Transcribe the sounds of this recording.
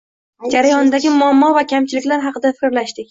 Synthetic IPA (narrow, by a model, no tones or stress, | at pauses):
d͡ʒaɾajɒnd̪aɡʲɪmʊamːɒvakʲʰamt͡ʃʰɪlɪkʲlaɾɦɑqɨd̪afɪ̥kʲɾlaʃd̪ɪkʲ